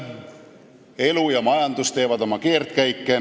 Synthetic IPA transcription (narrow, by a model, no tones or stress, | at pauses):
e̞lujɑmɑjɑnd̪ust̪e̞ːvɑd̪̥o̞mɑke̞ːrt̪kæjkˑːe